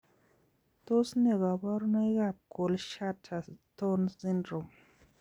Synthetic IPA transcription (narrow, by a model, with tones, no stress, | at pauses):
to˦sne˨ɣa˨ba˦ɾno˦i˦ɡa˨p̚ko˨lʃa˦tʰa˨to˦nsi˦ndɾo˨m